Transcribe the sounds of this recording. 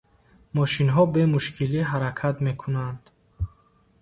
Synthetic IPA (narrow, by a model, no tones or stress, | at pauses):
mɔʃinɦɔbe̞muʃkʰiliɦaɾakʰat̪me̞kʰunand̪̥